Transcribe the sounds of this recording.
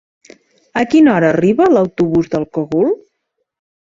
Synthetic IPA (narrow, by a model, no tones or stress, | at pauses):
əkinɔɾəːriβələwt̪uβuzðəlˠkoɣul